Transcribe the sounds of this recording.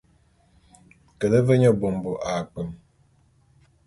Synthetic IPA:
kə˨lə˦və˦ɲə˦bo˨m˨bo˨ʔa˨k͡pə˨m

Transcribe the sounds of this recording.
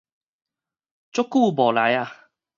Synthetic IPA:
t͡sʊ˦˥kːu˥˧˨bɔ˨˩la˨˦ja˥˧˨

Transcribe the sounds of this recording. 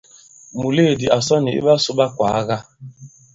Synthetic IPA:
mu˨le˦˨di˨a˨sɔ˦nɪ˨ɪ̰˦ba˦sʊ˦ba˦kʷa˨a˦ɣa˦

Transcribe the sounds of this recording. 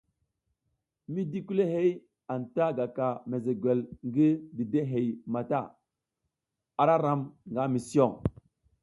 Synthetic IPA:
mi˦di˦ku˦le˦ɦe˦j | a˨nta˦ɡa˨ka˨me˨ze˨ɡwe˨lŋɡi˦di˨de˦ɦe˨jma˨ta˦˨ | a˦ɾa˦ɾa˦mŋɡa˨˦mi˨si˦o˦˨ŋ

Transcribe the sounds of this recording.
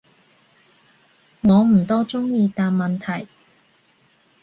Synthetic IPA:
ŋɔː˨˧m̩˨˩t̪ɔː˥t͡sʊ˥ŋjiː˧t̪aː˨nmɐ˨nt̪ʰɐ˨˩j

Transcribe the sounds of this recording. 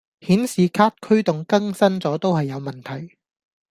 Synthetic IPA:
hiː˨˥nsiː˨kʰaː˥t̚kʰɵ˥ɥt̪ʊ˨ŋkɐ˥ŋsɐ˥nt͡sɔː˨˥t̪o˥whɐ˨jːɐ˨˧wmɐ˨˩nt̪ʰɐ˨˩j

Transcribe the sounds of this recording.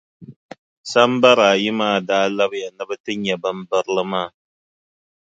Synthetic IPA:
sa˦m˦ba˦ɾaː˨ji˦maː˦˨daː˦la˦bɨ˨ja˨nɨ˦bɨ˦tɨ˦ɲɛ˨bɨ˦m̩˦bɨ˦ɾɨ˦lɨ˦maː˦˨

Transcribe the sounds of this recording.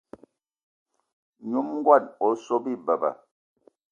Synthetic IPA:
ɲu˦mŋ˦ɡwa˦˨no˨so˦bi˦bə˨bə̰˨

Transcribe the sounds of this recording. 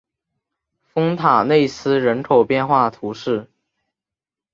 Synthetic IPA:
fɤ˥ŋt̪ʰa˨˩ne˥˩ɪsɹ̩˥ɻə˧˥nkʰo˨˩ʊpjɛ˥˧nxwa˥˩t̪ʰu˧˥ʂɻ̩˥˩

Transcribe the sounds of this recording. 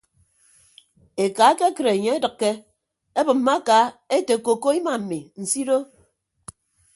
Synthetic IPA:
e˨ka˨˦ke˦kɨ˨ɾe˨ɲe˦e˦dɨ˨kːe˦ | e˦bɨ˨m̩ː˦a˦ka˨˦e˦te˨ko˨ko˦i˦ma˨m̩˨mi˨n̩˨si˦ɾo˦

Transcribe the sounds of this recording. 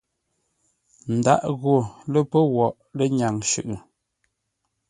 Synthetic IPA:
n̩˨da̰˦ʔɣo˨le˦pə˦wɔ˨ʔ | le˦ɲa˨ŋʃʉ̰˨ʔɯ˨

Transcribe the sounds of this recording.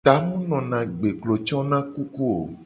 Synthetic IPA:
t̪a˨mũ˦nɔ̃˨nã˨ɡ͡be˨klo˨t͡ʃɔ˦nã˦ku˦ku˦o̰˨

